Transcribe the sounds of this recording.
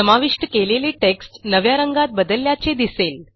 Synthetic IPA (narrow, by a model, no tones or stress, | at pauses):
səmaʋiʂʈəkeleliʈeksʈnəʋjaɾəŋɡat̪̚bəd̪əljat͡sed̪isel